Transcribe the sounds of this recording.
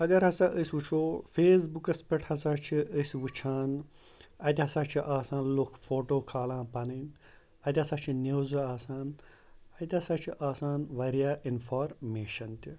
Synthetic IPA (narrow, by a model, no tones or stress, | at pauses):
ɐɡ̪ɐɾɦɐsaːʔəsʲʋut͡ʃʰoːfeːsbukɐspɐʈʰhɐsaːt͡ʃʰiʔəsʲʋɨt͡ʃʰaːn | ɐt̪ʲiɦɐsaːt͡ʃʰiʔaːsãːnlokʰfoːʈoːkʰaːlãːpɐnɐn | ɐt̪ʲɦɐsaːt͡ʃʰineːzuaːsaːn | ɐt̪ʲɦɐsaːt͡ʃʰiʔaːsaːnʋɐɾijaːʔinfaːɾmeːʃɐnt̪ʲi